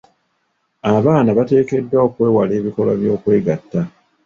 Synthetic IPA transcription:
aβaːnaβate̞ːke̞dːaokwe̞ːwale̞ːβiko̞lwaβjo̞ːkwe̞ːɡatːa

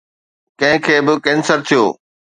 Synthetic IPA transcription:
kɐ̃ɦɪ̃kʰeːbɪkɛ̃ːnsəɾt̪ʰijoː

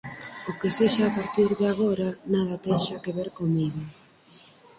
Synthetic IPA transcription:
ʊkeseʃaːpaɾt̪iɾðaɣ̞oɾanaðɐt̪ejʃakeβeɾkomiɣo

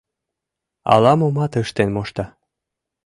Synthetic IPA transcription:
ɑ̰lɑmomɑt̪ɤʃt̪enmoʃt̪ɑ

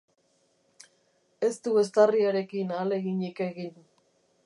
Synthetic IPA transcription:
e̞st̪ue̞s̬t̪ariaɾe̞kinaːle̞ɣiɲikeɣin

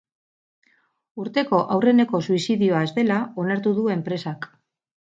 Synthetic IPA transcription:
uɾt̪e̞ko̞ʔawre̞ne̞ko̞suisiðioaezde̞lao̞naɾt̪uðue̞mpɾe̞sak

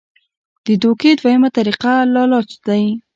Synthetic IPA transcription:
d̪̥əd̪oked̪wajəmat̪aɾiqalɑlɑt͡ʃd̪aj

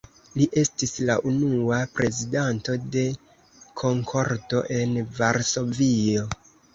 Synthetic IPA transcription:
liʔe̞stislaʔunuapɾe̞zidanto̞de̞ | kʰo̞ŋkʰo̞ɾto̞ʔe̞nvaɾso̞vio̞

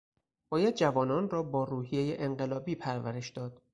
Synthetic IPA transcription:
b̥ɒːjæd̪̚d͡ʒævɒːnɒːnrɒːbɒːɾuːhijejeʔeɴɢelɒːbiːpʰæɾvæɾe̞ʃd̪ɒːd̪̥

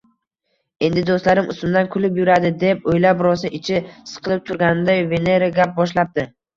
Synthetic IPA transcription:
e̞nd̪ɪd̪ost̪laɾɪmʔʊ̰sʊmd̪ankʰʊlɪpjʊɾad̪ɪd̪e̞pojlapɾɒsɪɪt͡ʃʰɪsɨ̥qʰɨlˠɪp̚t̪ʰʊɾɡʲanɪnd̪ajve̞ne̞ɾaɡʲap̚bɒʃlap̚d̪̥ɪ

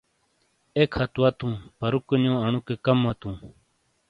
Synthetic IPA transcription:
eːkʰɐt̪wat̪ũːpəɾukəɲõːəɳukekəmːat̪ũː

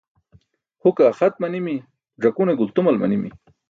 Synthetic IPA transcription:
hʊkaxat̪̚manimi | ʐakuneɡʊlt̪ʊmalma̰nimḭ

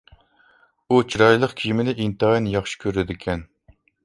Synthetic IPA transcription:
ut͡ʃʰiɾɑjlˠəqkʲʰijimɪnɪʔint̪ɨɑinjɑχʃi̥kʲʰøɾɪd̪ɪkʲʰɛn

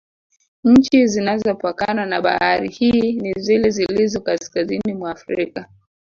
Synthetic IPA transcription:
ɲ̩t͡ʃizinazɔpakananaɓa̰haɾihiːnizilɛzilizɔkaskazinimwaːfɾika

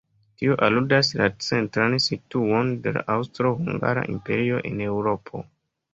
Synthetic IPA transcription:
tioʔaludaslat͡se̞ntɾansituo̞nde̞la̰ʔawstɾo̞huŋɡa̰ɾa̰ʔimpe̞̰ɾio̞ʔe̞ne̞wɾo̞pʰo̞̰

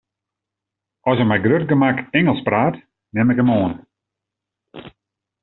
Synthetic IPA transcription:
ɔsəmɛjɡrøt̚ɡəmakɛŋəlˠspraːt | nɛmɪkəmoən

